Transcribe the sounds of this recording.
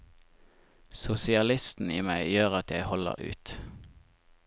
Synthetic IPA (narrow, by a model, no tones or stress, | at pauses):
sʊsɪɑlɪst̪n̩iːmæɪjøːʁɑt̪jæɪhɔlə̰ʁʔʉ̰ːt̪